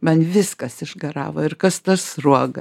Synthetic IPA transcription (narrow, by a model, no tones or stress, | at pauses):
mɐnʋʲɪskɐsɪʒɡɐɾɑ̰ːʋoːɪrkɐst̪ɐsruɔɡɐ